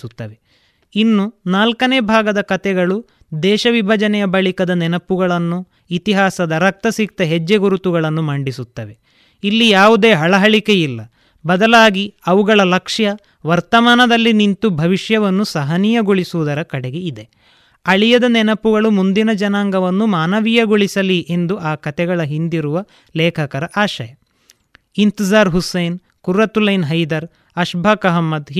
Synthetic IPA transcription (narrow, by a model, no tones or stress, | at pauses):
ut̪ːɐʋe | inːunaːlkɐneːbʱaːɡɐd̪ɐkɐt̪ɛɡɐɭu | d̪ɛːʃɐʋibʱɐd͡ʒɐnɛjɐbɐɭikɐd̪ɐnɛnɐpːuɡɐɭɐnːu | it̪iɦaːsɐd̪ɐɾɐk̚t̪ɐsik̚t̪ɐɦed͡ʒːeɡuɾut̪uɡɐɭɐnːumaːɳɖisut̪ːɐʋe | ilːijaːʋud̪e̞ːɦɐɭɐɦɐɭikejilːɐ | bɐd̪ɐlaːɡiɐʋuɡɐɭɐlɐkʂjɐ | ʋɐɾt̪ɐmaːnɐd̪ɐlːinint̪ubʱɐʋiʂjɐʋɐnːusɐɦɐnijɐɡoɭisuʋud̪ɐɾɐkɐɽeɡe̞id̪e̞ | ɐɭijɐd̪ɐnɛnɐpuɡɐɭumund̪inɐd͡ʒɐnaːŋɡɐʋɐnːumaːnɐʋijɐɡoɭisɐliʔe̞nd̪uʔaːkɐt̪ɛɡɐɭɐɦind̪iɾuʋɐ | lɛːkʰɐkɐɾɐʔaːʃɐjɐ | int̪izaːɾɦusɐjn | kuɾːɐt̪ulɐjnɦɐjd̪ɐɾ | ɐʃbʱaːkɐɦɐmːɐd̪ɦ